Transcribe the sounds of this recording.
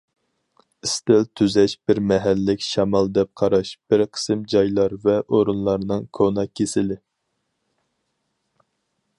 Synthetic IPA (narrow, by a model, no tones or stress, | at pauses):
ɪst̪ɪlt̪ʰyzɛʃb̥ɪɾmɛɦælːɪkʲʃɑmɑlˠd̪ɛp̚qʰɑɾɑʃb̥ɪɾqʰə̥sɨmd͡ʒɑjlˠɑɾvɛʔoɾunlˠɑɾnɨŋkʰonɑkʲʰːesɪlɪ